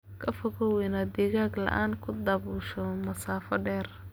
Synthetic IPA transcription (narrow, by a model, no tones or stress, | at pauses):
kʰɐfɔɣɔwɪnɐd̪ɛːɣaːɡlɐ̰ʔaːnkʰʊd̪ɐβuːʃɔmɐsaːfɔɖɛːr